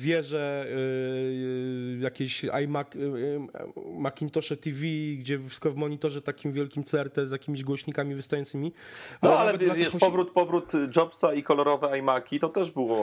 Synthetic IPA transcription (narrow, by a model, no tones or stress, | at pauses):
vʲjɛʐɛ | jakʲeɕa̰jmak | makʲint̪ɔʂɛt̪ʲivʲiɡd͡ʑɛfskɔvmɔɲit̪ɔʐɛt̪akʲimvʲjɛlkʲimt̪sɛɛɾt̪ɛzʲjakʲimʲiʑɡwɔɕɲikamʲivɨst̪ajɔnt̪sɘmʲimɔaalɛɛvavʲɛʃkɔ̃pɔvɾut̪pɔvɾut̪d͡ʐɔpsaikɔlɔɾɔvɛajmakʲit̪ɔt̪ɛʐbɘwɔ